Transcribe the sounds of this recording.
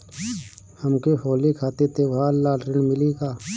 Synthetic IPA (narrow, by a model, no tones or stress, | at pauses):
hɐmkehoːlikʰaːt̪et̪eʋaːlːaːɖɾɪnmɪlikaː